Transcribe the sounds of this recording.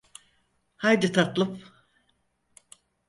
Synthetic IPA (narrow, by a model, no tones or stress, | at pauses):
hajd̪it̪ʰat̪lˠɯp